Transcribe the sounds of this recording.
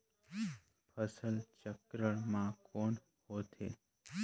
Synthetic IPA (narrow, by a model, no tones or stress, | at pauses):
pʰəsəlt͡ʃəkɾəɽ̃mãːkoːɳ | hoːt̪ʰḛː